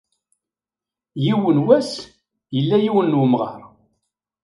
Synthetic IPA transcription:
jiwənwæs | jəlːæjiwənːwəmʁɑ̰ɾˤ

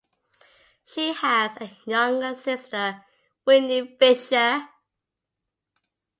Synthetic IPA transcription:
ʃiəzəjʌ̃ŋɡəsɪstə | wɪnifɪʃə

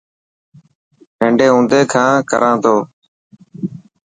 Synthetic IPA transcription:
ɦə̃ɳɖeːɦũːnd̪eːkʰãːkə̰ɾãːt̪ʰoː

